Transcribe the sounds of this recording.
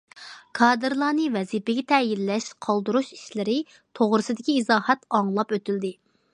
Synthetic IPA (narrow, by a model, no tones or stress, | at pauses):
kʰɑːd̪ɨɾlˠɑːnɨvɛzipɪɡʲɛt̪ʰɛjilːɛʃqʰɑlˠd̪uɾuʃi̥ʃlɪɾɪ | t̪ʰoʁɾɨsɨd̪ɪkʲiːzɑːhɛt̪ɑŋlˠɑpøt̪yld̪ɪ